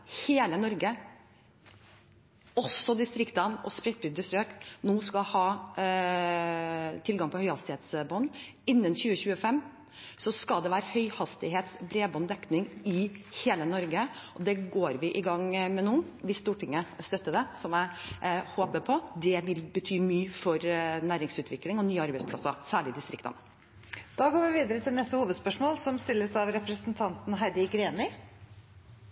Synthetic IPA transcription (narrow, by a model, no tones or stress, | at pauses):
heːlənɔɾɡə | ɔsːɔd̪ɪst̪ɾɪkt̪ənɔspɾɛt̪̚bɾʏd̪əst̪ɾøːknuːskɑhɑː | t̪ʰɪlɡɑŋpʰɔhœʏhɑst̪ɪheːt̪sbɔn | ɪnːənçʉːəçʉːəfɛmː | sɔskɑld̪ɛʋæːɾəhœʏhɑst̪ɪɦeːt̪sbɾeːbɔnd̪ɛknɪŋɪheːlənɔɾɡəʔɔd̪ɛɡoːɾʋɪʔɪɡɑŋmɛnuːʋɪst̪uːʈʰɪŋːəst̪œt̪ːəɖɛsɔmæɪhoːpəpʰɔd̪ɛʋɪlbət̪ʰyːmyːfɔɾnæːɾɪŋsʉːt̪ʋɪklɪŋɔnyːəɑɾbɛɪdspʰlɑ̰sɑsæːɭɪd̪ɪst̪ɾɪkt̪ɑ̰n | d̪̥ɑːɡoːɾʋɪʋiːd̪əɾət̪ʰɪlnɛst̪əhuːʋəd̪spœʂmoːlsɔmst̪ɪlːəsɑʋɾɛpɾəsənt̪ʰɑnt̪n̩ɦæd̪ɪɡɾeːnɪ